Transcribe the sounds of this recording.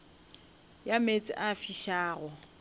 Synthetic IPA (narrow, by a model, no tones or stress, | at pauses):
jamet͡sʼɪʔafiʃaːɣɔ